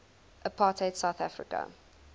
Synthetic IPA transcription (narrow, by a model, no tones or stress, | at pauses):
ʔəpʰɑːtʰeɪtsaʊθafɹɪ̰kə̰